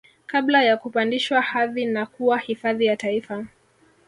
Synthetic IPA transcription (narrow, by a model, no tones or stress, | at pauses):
kablajakupandiʃwahaðinakuwahifaðijataifa